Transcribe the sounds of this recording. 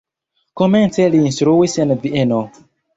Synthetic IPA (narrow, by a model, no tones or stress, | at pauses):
kɔmɛ̃nsɛliĩnsɾuwisɛ̃nviɛnɔ